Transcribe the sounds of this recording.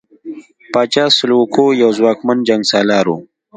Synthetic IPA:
paːt͡ʃaːsʊlukojawzwaːkmand͡ʒaŋɡsaːlaːɾo̰ː

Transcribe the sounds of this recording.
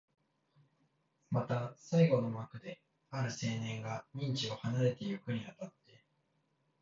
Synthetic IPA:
mat̪asaiɡo̞no̞makɯ̟d̪e̞ | aɾɯ̟se̞ːnẽ̞ŋɡaɲ̟ĩɲ̟t͡ɕio̞hanaɾe̞t̪e̞jokɯ̟ɲ̟iat̪at̪ːe̞

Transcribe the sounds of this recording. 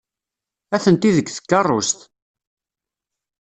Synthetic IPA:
æθənt̪iðəɡθə̥kːɑrˤːʊst̪

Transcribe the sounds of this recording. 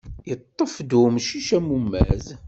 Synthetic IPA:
jət̪ˤːəfd̪umʃiʃæmumːæ̰z

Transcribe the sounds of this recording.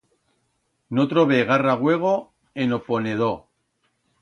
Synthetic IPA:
not̪ɾoβeɣ̞araɣwe̞ɣ̞o | enoponeð̞o

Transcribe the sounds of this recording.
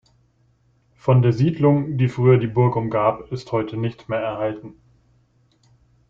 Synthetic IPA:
fɔndeːɐziːdlʊŋd̥iːfʁ̥yːɐdiːbʊɐkʊmɡaːpɪsthɔʏtʰənɪçtmeːɐɛɐhaltn̩

